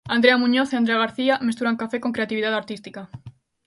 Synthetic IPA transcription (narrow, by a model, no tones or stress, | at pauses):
and̪ɾeamũɲoθeand̪ɾeaɣ̞aɾθiamest̪uɾaŋkafekoŋkɾeat̪iβ̞iðaðaɾt̪ist̪ika